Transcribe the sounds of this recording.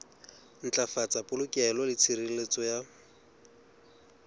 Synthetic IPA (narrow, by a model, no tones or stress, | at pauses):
n̩t͡ɬʼafat͡sʼapʼʊlʊkʼɛlɔlɪt͡sʰiɾilet͡sʼɔja